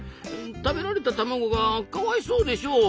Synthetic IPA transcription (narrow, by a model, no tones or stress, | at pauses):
t̪abeɾaɾet̪at̪amaɡoɡakaβaisoːd̪e̞ɕo̞ː